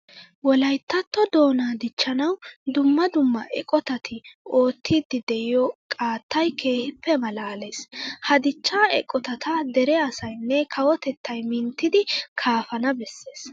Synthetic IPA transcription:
wɔlɐjt̪ːɐt̪ːɔd̪o̞ːnaːd̪ɪt͡ʃːɐnɐwd̪ʊmːɐd̪ʊmːɐ̰ʔɛkʼɔt̪ɐt̪ʰɪo̞ːt̪ʰːiːd̪ɪd̪ɛɪjɔkʼaːt̪ːɐjkʰe̞ːhɪpːɛmɐlaːleːshɐd̪ɪt͡ʃːaːɛ̰kʼːɔt̪ɐt̪ɐd̪ɛɾɛɐsɐjnːɛkʰɐwɔt̪ɛt̪ːɐjmɪnt̪ːɪd̪ɪkʰaːfɐnɐbɛsːe̞ːs

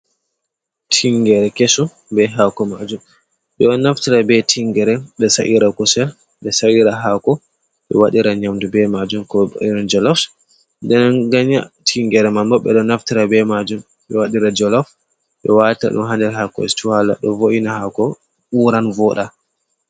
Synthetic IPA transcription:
tʰiŋɡɛɾɛkesɔ | bɛɦakɔmad͡ʒum | ɓɛɔnːaftiɾabɛtʰiŋɡɛɾɛɓɛsaʔiɾakɔsɛl | ɓɛsawiɾaɦakɔ | ɓɛ̰waɗiɾaɲamdubɛmad͡ʒumkɔ̰ɔnd͡ʒɔlɔf | dɛnɡaɲa̰tʰiŋɡɛɾɛmambɔɓɛ̰ɗɔnaftiɾabɛmad͡ʒum | ɓɛwaɗiɾad͡ʒɔlɔf | ɓɛ̰wata̰ɗṵmɦandɛɾɦakɔ̰ɛstiwala̰ɗɔ̰voʔinahakɔ | ɓuɾanvɔɗa

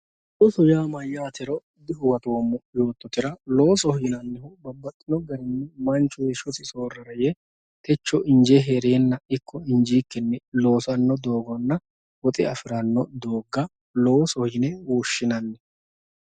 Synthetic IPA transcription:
ʔʊsʊjaːmɐjːaːt̪ʰɛɾɔ | d̪ɪɦʊwɐt̪o̞ːmːʊjo̞ːt̪ːɔt̪ɪɾɐlo̞ːsɔhinɐnːɛɦʊbɐbːɐt̪ʼːɪnɔɡɐɾɪnːɛmɐnt͡ʃːʊjɛʃʊsɪso̞ːrːɐɾɐjɛ | t̪ɛt͡ʃːɔʔɪnd͡ʒeɦeɾeːnːɐɪkːɔɪɲd͡ʒiːkːɛnːɛlo̞ːsɐnːɔd̪o̞ːɡɔnːɐ | wɔt̪ʼɪɐfɪɾɐnːɔd̪oːɡːɐ | lo̞ːsɔhinɛwɔʃːɪnɐnːɛ

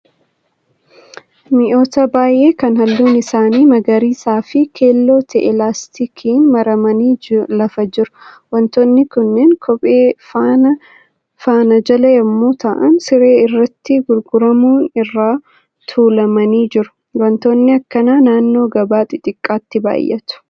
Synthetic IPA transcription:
mɪʔo̞ːt̪ɐbaːjʔeːkɐnhɐlːuːnɪsaːniːmɐɡɐɾiːsaːfɪkʰeːlːo̞ːt̪ʰɛʔɛlaːst̪ɪkʰiːnmɐɾɐmɐniːlɐfɐd͡ʒɪɾʊ̥ | wɐnt̪oːnːɪkʊnːenkʰɔpʼeːfanɐ | faːnɐd͡ʒɐlɐjɐmːoːt̪ɐ̰ʔɐnsɪɾe̞ːɪrːɐt̪ːɪɡʊɾɡʊɾɐmuːnɪrːaː | t̪ʰuːlɐmɐniːd͡ʒɪɾʊ̥ | wɐnt̪oːnːɪɐkːɐnaːnaːnːo̞ːɡɐbaːt̪ʼɪt̪ʼɪkʼːaːt̪ːɪba̰ːjʔɛ̰t̪ʊ̥

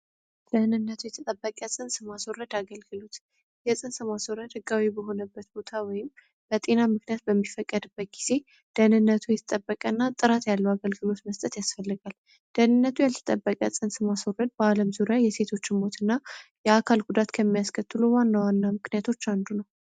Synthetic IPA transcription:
d̪̥ənɨnːət̪ʰujɛt̪ʰət̪ʼəbːəkʼjɛsʼɨnsɨmasworːəd̪aɡəlɡɨlut̪ | jɛsʼɨnsɨmaswoɾəd̪hɨɡawibəɦo̞nəbːət̪b̥o̞t̪ʰawɔjɪm | b̥ət̪ʼe̞namɨknijat̪̚bəmːifəkʼːəd̪ɨbːət̪̚ɡiz̥e̞ | d̪̥ənɨnːət̪ʰujɛt̪ʰə̥t̪ʼəbːəkʼənːat̪ʼɨɾat̪jalːəwaɡəlɡɨlo̞t̪məst̪ʼət̪jasfəlːɨɡal | d̪̥ənɨnːət̪ʰujalət̪ʰə̥t̪ʼəbːəkʼa̰sʼɨnsɨmasworəd̪̚bəaləmzuɾjajɛse̞t̪ʰo̞t͡ʃːɪmmo̞t̪ʰɨnːajɛakʰalɡud̪at̪kʰəmːijaskʰət̪ːɨluwanːawanːamɨknijat̪ʰo̞t͡ʃːand̪unəw

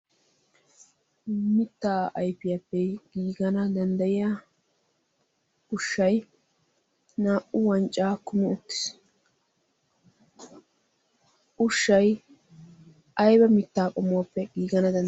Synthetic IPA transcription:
mɪt̪ːaːɐjpɪjapːɛɡ̥iːɡɐnɐd̪ɐnd̪ɐjɪja | ʊʃːɐj | naːʔʊwɐnt͡ʃʼːaːkʊmʊʊt̪ːɪ̥s | ʔʊʃːɐj | ʔɐjbɐmɪt̪ːaːkʼɔmːʊapːɛɡiːɡɐnɐd̪ɐ

